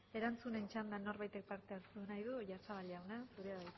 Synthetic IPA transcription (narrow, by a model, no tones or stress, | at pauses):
e̞ɾant͡sune̞nt͡ʃand̪ano̞ɾβajt̪e̞k̚paɾt̪eaɾt̪unajðuʝasaβalawnasuɾeaβaj